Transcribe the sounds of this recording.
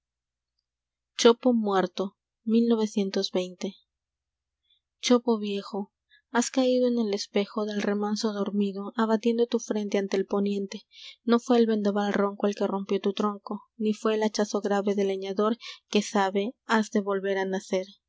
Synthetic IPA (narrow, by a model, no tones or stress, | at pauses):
t͡ʃopo̞mwe̞ɾt̪o̞ | milno̞β̞e̞sje̞nt̪o̞zβe̞jnt̪e̞ | t͡ʃopo̞βje̞xo̞ | askaiðoe̞ne̞le̞spe̞xo̞ðe̞lre̞manso̞ðo̞ɾmiðo̞ʔaβat̪je̞nd̪ot̪ufɾe̞nt̪e̞ant̪e̞ːlpo̞njẽ̞nt̪e̞no̞fwe̞ːlβe̞nd̪aβalro̞ŋkoelke̞ro̞mpjo̞t̪ut̪ɾo̞ŋko̞nifwe̞ːlat͡ʃaso̞ɣɾaβe̞ðe̞leɲaðo̞ɾke̞saβe̞azðe̞βo̞lβe̞ɾanase̞ɾ